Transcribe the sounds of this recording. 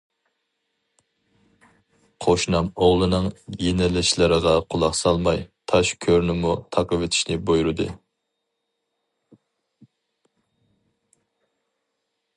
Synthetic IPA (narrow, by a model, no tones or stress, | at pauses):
qʰoʃnɑmoʁlˠɨnɨŋjenɪlːɪʃlɪɾəʁɑqʰʊlˠɑχsɑlˠmɑjt̪ʰɑʃkʲʰøɾnɪmut̪ʰɑqəvɪt̪ʰi̥ʃnɪbojɾɨd̪ɨ̰